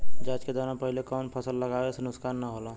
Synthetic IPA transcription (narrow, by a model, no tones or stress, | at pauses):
d͡ʒat͡ʃked̪ɔɾãpəɦilekɔʊnpʰəsəlːəɡawesenʊskanːəɦola